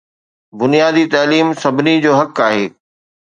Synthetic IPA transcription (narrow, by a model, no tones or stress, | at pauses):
bʊnijaːd̪it̪ɐːliːmsɐbʱɪnid͡ʑoːɦɐkaːɦeː